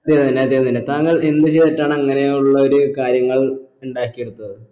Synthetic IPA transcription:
ɐd̪jeɐninːdeɐd̪jejnindet̪aːŋːɐɭe̞nd̪ɨt͡ɕe̞jðitːaːɳɨɐŋːɐne̞uɭːɐo̞ɾukaːɾjɐŋːɐɭuɳɖaːkʲːijeɽut̪ːɐðɨ

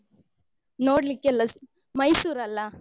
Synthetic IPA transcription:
noːɽlikːelːɐs | mɐjsuːɾɐlːɐ

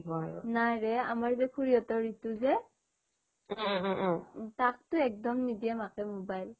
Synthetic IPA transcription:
ɦɔnajɹɛamaɹzɛkʰuɹiɔtɔɹitʊzɛ | tak̚tʊɛk̚dɔmnidiɛmakɛmobajl

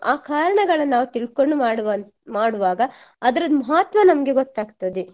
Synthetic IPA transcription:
aːkaːɾɐɳɐɡɐɭɐnnaːʋut̪iɭkoɳɖumaːɽʋ | maːɽuʋaːɡɐ | ɐd̪ɐɾɐd̪mɐɦaːt̪ʋmɐnɐmɐɡe̞ɡɔt̪ːaːɡt̪ɐd̪e

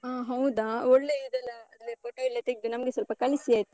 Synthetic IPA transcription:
aːɦɐwd̪aɔɭːeid̪ɛlːɐɐd̪lepoːʈoilːɐt̪eɡd̪unɐmɐɡesɐlpɐkɐlisiaːjt̪ːu

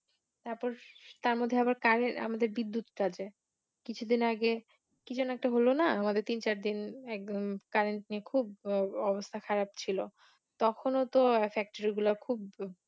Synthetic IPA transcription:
t̪aɾpɔɾt̪aɾmod̪ʱːeabaɾkaɾea̰mad̪eɾbid̪ːut̪ʈad͡ʑe | kit͡ɕʰud̪inaɡe | kid͡ʑʰonoɛk̚ʈaɦolonaamad̪eɾt̪int͡ɕaɾd̪inɛkkaɾeɳʈniekʰub̚ɔbost̪ʰakʰaɾab̚t͡ɕʰilo | t̪ɔkʰonot̪ofɛk̚ʈoɾiɡulaɾkʰub

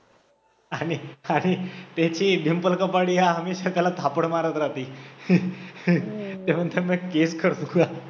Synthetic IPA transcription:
aɽ̃iaɽ̃it̪at͡ɕiːbimpəlkəpaɽiɦaɦəmeɕakalat̪ʰapəɳmaɾət̪ɾat̪iː | t̪eməd̪ʱəməkeskʰəɾt̪uka

